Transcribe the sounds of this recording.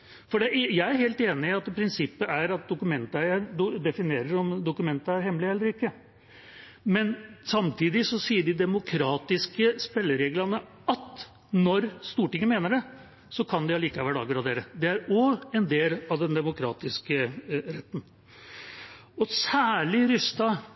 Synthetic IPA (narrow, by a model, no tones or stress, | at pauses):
fɔɖɛjæɪæɾheːlt̪eːnɪɑt̪pʰɾɪnsɪpːəæɾɑt̪̚d̪ʊkʉmɛnt̪æɪəɾd̪ʊd̪ɛfɪneːɾəɾɔmd̪ʊkʉmɛnt̪əæɾhɛmːlɪɛlːəɾɪkːə | mɛnsɑmt̪ʰiːd̪ɪsɔsiːəɖɪd̪ɛmʊkʰɾɑːt̪ɪskəspɛlːəɾeːɡlɑnə | ɑt̪ | nɔɾst̪uːʈɪŋːəmeːnəɖɛ | sɔkʰɑnd̪ɪɑliːkɑʋæːɭɑɡɾɑd̪eːɾəd̪ɛæɾɔɛnd̪eːlɑʋd̪ɛnd̪ɛmʊkʰɾɑ̰ːt̪ɪskəɾɛt̪ːən̩ | ɔsæːɭɪɾʏst̪ɑ